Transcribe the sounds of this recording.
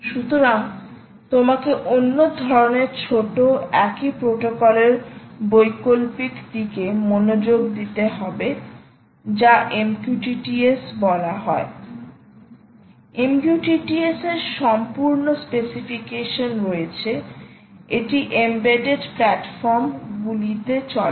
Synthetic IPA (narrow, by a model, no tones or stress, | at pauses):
ʃut̪oɾaŋ | t̪omakeʔonːod̪ʱɔɾoneɾt͡ɕʰoʈoɛkipɾoʈokɔleɾbojkolpikd̪ikemonod͡ʑoɡd̪it̪eɦɔbe | d͡ʑaʔemkjuʈiʈiesbɔlaɦɔe | emkjuʈiʈieseɾʃɔmpuɾnospesifikeʃonɾoet͡ɕʰe | eʈiʔembeɖeɖplɛʈfɔɾmɡulit̪et͡ɕɔl